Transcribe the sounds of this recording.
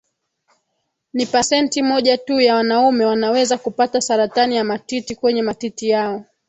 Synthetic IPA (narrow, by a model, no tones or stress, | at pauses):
nipasɛntimɔʄatujawanaumɛwanawɛzakupatasaɾatanijamatitikwɛɲɛmatitijaɔ